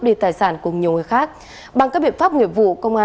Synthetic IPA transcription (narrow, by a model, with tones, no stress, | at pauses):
p̚ɗi˧˩t̪aː˨˩jsaː˧˩nkʊ˨˩ŋ͡mɲi˨˩əŋɨ˨˦jxaː˦˥k̚ | ɓa˧ŋkaː˦˥k̚ɓḭ˧˨ənfaː˦˥p̚ŋḭ˧˨əmvṵ˧˨kə˧wŋ͡mʔaː˧